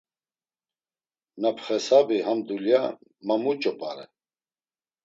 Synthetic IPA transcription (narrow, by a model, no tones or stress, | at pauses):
napʰχɛsabihamd̪uljamamut͡ʃʼɔpʼaɾɛ